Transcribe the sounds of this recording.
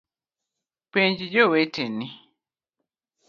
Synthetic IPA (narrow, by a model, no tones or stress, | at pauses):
peɲɟiɟowetenːi